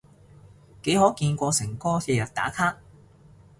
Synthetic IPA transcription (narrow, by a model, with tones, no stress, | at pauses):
ke˨˥jɦɔː˨˥kiː˧nkʷɔː˧sɪ˨˩ŋkɔː˥sɛː˧jɐ˨˩t̚t̪a̰ː˨˥kʰaː˥k̚